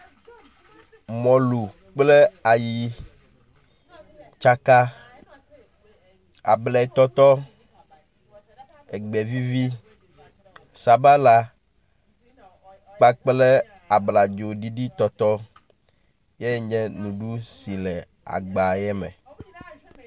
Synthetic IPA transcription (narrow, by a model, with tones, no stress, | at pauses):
mɔ̃˨lu˨ | k͡ple˦a˨ji˨ | t͡ʃa˦ka˦ | a̰˨blɛ˨t̪ɔ˦t̪ɔ˦ | e˨ɡ͡be˨vi˦vi˦ | sa˨ba˦la˦ | k͡pa˦k͡ple˦ | a˨bla˨d͡ʒo˨ɖi˦ɖi˦t̪ɔ˦t̪ɔ˦ | je˦ɲɛ̃˦nũ˨ɖu˦si˨lɛ˨ | a̰˨ɡ͡ba˨jɛ˦mɛ̰˨